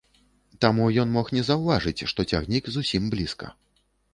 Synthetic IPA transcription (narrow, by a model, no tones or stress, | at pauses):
t̪amujɔnmɔxnʲɛzɐwvaʐɨt͡sʲʂt̪ɔt͡sʲaɣnʲikzusʲimblʲiskɐ̰